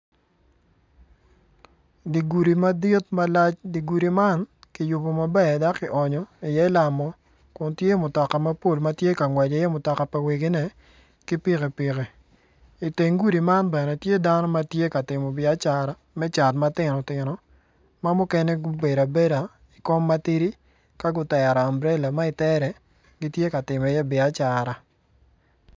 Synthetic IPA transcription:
di˨ɡu˨ɾi˨ma˦de˦tma˦la˦t͡ʃdi˨ɡu˨ɾi˨ma˦nki˨jʊ˨bo˨ma˨bɛ˦˨da˦kɪ˨ʔɔ˨ɲɔ˨i˨jɛ˦ɪ˦la˨mɔ˦ | kʊ˨ntje˦mʊ˨tɔ˨ka˨ma˦po˦˨lma˦tje˦ka˨ŋwɛ˨d͡ʒe˨˦jɛ˦mʊ˨tɔ˨ka˨pa˨we˨ɡe˦nɛ˦ | kɪ˦pɪ˦ke˨pɪ˨kɛ˨ | i˨te˨ŋɡu˦di˨ma˦nbɛ˨nɛ˨tje˦da˦nɔ˦ma˦tje˦ka˨tɪ˨mɔ˨bɪa˦t͡ʃa˦ɾa˦ | mɛ˦t͡ʃa˨tma˦tɪ˨nɔ˨tɪ˨nɔ˨ | ma˦mʊ˦kɛ˦nɛ˦ɡʊ˦be˨ɾa˨be˦ɾa˨ | ɪ˨kɔ˦mːa˦ti˦ɾi˦ | ka˦ɡʊ˦tɛ˨ɾa˨a˨mbɾɛ˦la˨ma˦i˨tɛ˦ɾɛ˨ | ɡi˦tje˦ka˨tɪ˨mɛ˨jɛ˦bɪ˨a˦t͡ʃa˨ɾa˨

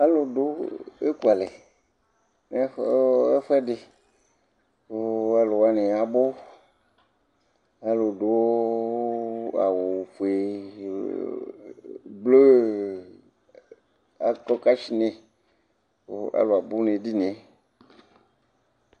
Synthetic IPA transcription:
a˦lo˨do˦e˦ku˦a˨le˨ | ne˦e˦fɛ˦dɪ˨ | o˦a˦lo˨wa˦nẽ˨a˨bo˦ | a˦lo˨do˨wo˦ | a̰˨wo˨ɸu˨e˨ | blo˦ | a˨kɔ˦ka˦t͡ʃi˦nẽ˨ | o˦a̰˨lo˨a˨bo˦ne˨di˦n˨e˦

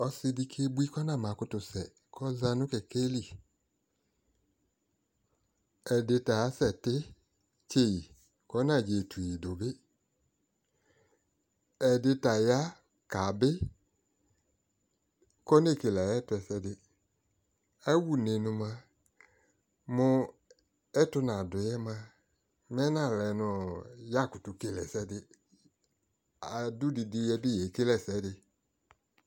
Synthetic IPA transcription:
ɔ˧sɪ˧di˧kʰe˦bu˦i˦kɔ˦nã˦˨mã˨kʊ˧tʊ˧sɛ˨ | kʰɔ˦za˧nʊ̃˦kɛ˨ke˦li˦˨ | ɛ˨dɪ˧ta˨˦sɛ˨tɪ˦ | t͡ʃe˦˨ji˨ | kɔ˦nã˦˨d͡ʒe˨tʰu˨i˨do˨bɪ˦ | ɛ˨dɪ˧ta˨ja˦ | ka˨bɪ˦ | kɔ˦n˦e˦˨ke˨la˨jɛ˦tʊ˧ɛ˧˨sɛ˧dɪ˧ | ɛ˦wu˦˨ne˨nʊ̃˧mã˧ | mʊ˧ | ɛ˦tʊ˧na˨dʊ˨jɛ˦mã˧ | mɛ˦nã˦˨lɛ˨nʊ˨ja˦˨kʊ˨tʊ˨ke˨lɛ˨sɛ˦dɪ˧ | a˨dʊ˦dɪ˧dɪ˧jɛ˧bɪ˦jɛ˨ke˦lɛ˦˨sɛ˨˦dɪ˧

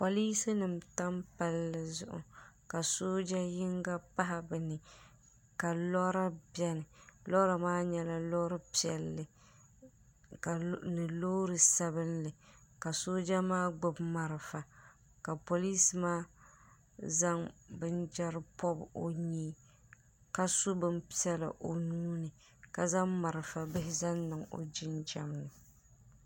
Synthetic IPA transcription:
po˨liː˦sɨ˦nɨ˨mta˦mpa˦lːɨ˨zʊ̰˨ʔʊ̰˨ka˨soː˦d͡ʒa˦jɪ˦ŋɡa˦pa˦ɦa˨bɨ˨nɨ˨ | ka˨lɔ˦ɾa˦bjɛ˦nɨ˨lɔ˦ɾa˨maː˦ɲɛ˦la˦lɔ˦ɾɨ˦pi˨ɛ˨lːɨ˨ | ka˨nɨ˨lo˦ɾɨ˨sa˦bɨ˦nlɨ˨ka˨soː˦d͡ʒa˦maː˦ɡ͡bʊ˦bma˨ɾɨ˨fa˨ | ka˨po˨liː˦smaː˦ | za˦ŋbɨ˦nd͡ʒɛ˦ɾɨ˦pʰɔ˦bo̰˦ɲiː˦ | ka˨sʊ˦bɨ˦mpi˦ɛ˦la̰˨ʔo˨nuː˦nɨ˨ | ka˨za˦mma˨ɾɨ˨fa˨bɪ˦ɦɪ˦za˦nːɨ˨ŋo̰˨d͡ʒɪ˦nd͡ʒa˨mnɨ˨

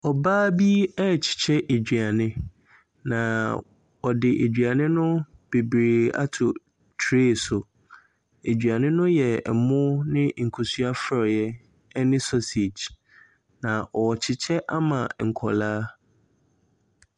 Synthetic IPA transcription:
ɔ˨baː˦bi˦ɛ˦˨t͡ɕʰɪ̥˨t͡ɕʰɛ˦ʔe˨d͡ʑᶣɥa˨nɪ̃˦ | nã˨ | ɔ˨dɪ˨ʔe˨d͡ʑᶣɥa˨nɪ̃˦nʊ̃˦b̥e˨bɾeː˨a̰˦tʰʊ˨ | tʰɾe˦˨sʊ˨ | e˨d͡ʑᶣɥa˨nɪ̃˦nʊ̃˦jɛ˨ɛ̰˨mʊ̃˦nɪ̃˦ŋ̩˨kʰo˨su˦a˦fɾɔ˨jɛ˦ | nɪ̃˦sɔ˦se˨d͡ʒ | nã˨ʔɔ˨ɔ˨t͡ɕʰɪ˨t͡ɕʰɛ˦ʔa˦mã˨ŋ̩˨kʰɔ˨laː˦

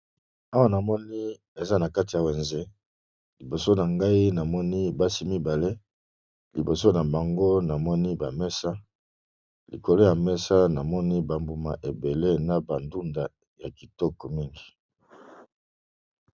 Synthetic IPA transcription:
a˦wa˦na˨mɔ˦ni˦ | e˨za˦na˨ka˦ti˨ja˨we˨nze˦ | li˨bo˨so˦na˨ŋɡa˦i˦na˨mɔ˦ni˦ba˦si˦mi˦ba˨le˦ | li˨bo˨so˦na˨ba˨ŋɡo˦na˨mɔ˦ni˦ba˨mɛ˦sa˦ | lḭ˨ko˨lo˦ja˨mɛ˦sa˦na˨mɔ˦ni˦ba˨mbu˨ma̰˨ʔe˨be˨le˦na˨ba˨ndu˦nda˨ | ja˨ki˨tɔ˦kɔ˨mi˦ŋɡi˨

